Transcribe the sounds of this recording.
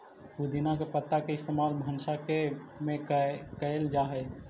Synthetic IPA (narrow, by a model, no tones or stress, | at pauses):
ud̪ʱinakepət̪ːakeɪst̪emaːlbʱənsakemẽkəeld͡ʒaːɦɛ